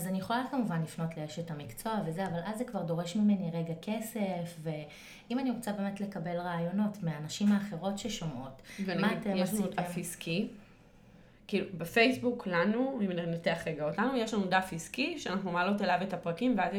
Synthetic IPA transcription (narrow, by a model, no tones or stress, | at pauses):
azanijeχo̞lalkamuvanlifno̞tleeʃetamikt͡so̞ave̞zeavalʔazːekvaʁdo̞ʁe̞ʃmime̞niʁe̞ɡake̞se̞fve̞ | imaniʁot͡sabeːme̞tle̞kabe̞lʁaːjo̞no̞tmeanaʃimaːχe̞ʁo̞tʃeʃo̞mʔo̞tvenmmaːt̪ejeʃlanud̪afiskʰi | kiːlubefejsbuklanuimninateaχʁeɡaotlanujeʃlanudafiskiʃeanaχnumalo̞telavetapʁakimveazje